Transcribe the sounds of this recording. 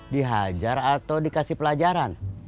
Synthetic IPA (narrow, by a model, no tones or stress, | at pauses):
diɦad͡ʒaɾat̪awdikasihpəlad͡ʒaɾan